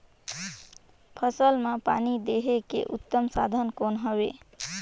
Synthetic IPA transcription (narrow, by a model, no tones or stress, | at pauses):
pʰʌsəlmapanid̪eɦekḛʔut̪ːəmsa̰d̪ʱənkonɦəbe